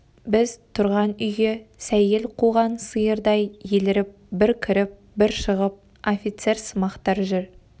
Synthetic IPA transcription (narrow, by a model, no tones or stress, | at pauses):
bɪzt̪ʰʊɾʁɑnʏjɡesæje̞lqʰuʁɑnsəjəɾd̪ɑjjelɪɾɪp̚bɪɾkʲʰɪɾɪp̚ | bɪɾʃəʁəp̚ | ofʲijt̪se̞ɾsəmɑqt̪ɑɾʒʏɾ